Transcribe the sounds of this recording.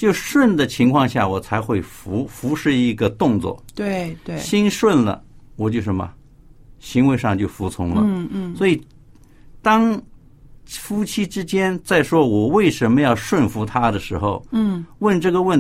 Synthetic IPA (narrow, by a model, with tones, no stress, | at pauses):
t͡ɕjo˥˧ʊʂwə˥˩nd̪ə˩t͡ɕʰi˧˥ŋkʰwɑ˥˧ŋɕja̰˥˩wɔ˨˩t͡sʰa˧˥ɪxwe˥˩ɪfu˧˥fu˧˥ʂɻ̩˥˧i˧˥ɡə˧t̪ʊ˥˧ŋt͡swɔ̰˥˩t̪we˥we˥˧ɕi˥nʂwə˥˩nlə̰˩wɔ˨˩t͡ɕjo˥˧ʊʂə˧˥mɐ̰˧ | ɕi˧˥ŋwe˧˥ɪʂɑ˥˧ŋt͡ɕjo˥˩ʊfu˧˥t͡sʰʊ˧˥ŋlə̰˧swɔ˧˥i˨˩ | t̪ɑ˥ŋ | fu˥t͡ɕʰi˥ʈ͡ʂɻ̩˥t͡ɕjɛ˥nt͡sa˥˩ɪʂwɔ˥wɔ˨˩we˥˩ɪʂə˧˥nmə˧jɑ˥˧ʊʂwə˥˩nfu˧˥t̪ʰa˥d̪ə˨ʂɻ̩˧˥xo˧ʊwə˥˧nʈ͡ʂɤ˥˩ɡə˩wə˥˩n